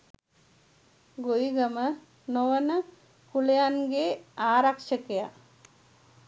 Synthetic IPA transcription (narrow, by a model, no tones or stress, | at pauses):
ɡojiɡəmə | noʋənə | kulejanɡeaːɾakʂəkeja